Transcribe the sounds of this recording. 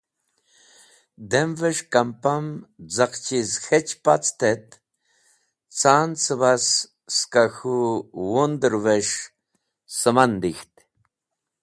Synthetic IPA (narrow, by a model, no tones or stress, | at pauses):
d̪emveʂkampamd͡zaqt͡ʃizxet͡ʃpat͡st̪et̪ | t͡saːnt͡sɨβas | skaxuwond̪əɾveʂ | səmand̪ixt̪